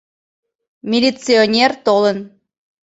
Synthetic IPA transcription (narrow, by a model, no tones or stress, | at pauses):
mʲilʲit͡sionʲert̪olən